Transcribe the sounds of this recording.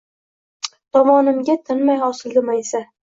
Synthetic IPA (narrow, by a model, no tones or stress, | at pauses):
t̪ʰɒmɒnɪmɡʲat̪ʰɪnmajɒsɪld̪ɪmajsa